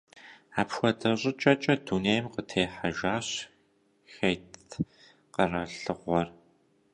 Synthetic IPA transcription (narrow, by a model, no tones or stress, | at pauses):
aːpxʷɔdʰɐɕʼɪt͡ʃʼɐt͡ʃʼɐduneːjmqətʰeːħaʒaːɕ | xejt | qərɐɬɨʁʷɔr